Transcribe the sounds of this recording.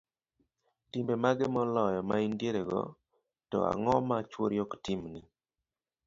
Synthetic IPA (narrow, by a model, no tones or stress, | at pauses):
timbemaɡɛmɔlɔjɔmaindjeɾeɡɔ̰ | tɔ̰a̰ŋɔmat͡ʃwoɾjɔktimni